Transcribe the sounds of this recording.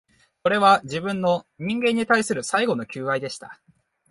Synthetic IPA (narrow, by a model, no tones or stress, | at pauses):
ko̞ɾe̞β̞aʑibɯ̟̃nːo̞ɲ̟ĩŋɡẽ̞ɲ̟ːit̪aisɨɾɯ̟saiɡo̞no̞kʲɨːβaid̪e̞ɕi̥t̪a̰